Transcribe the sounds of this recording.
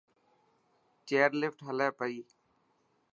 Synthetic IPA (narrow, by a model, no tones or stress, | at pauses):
t͡ʃeːəɾlɪfʈɦəlɛːpəiː